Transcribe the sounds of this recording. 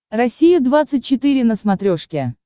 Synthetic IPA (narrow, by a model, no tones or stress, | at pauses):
rɐsʲijəd̪vat̪sɨt̚ʲt͡ɕːɪt̪ɨɾʲɪnəsmɐt̪ɾʲoʂkʲɪ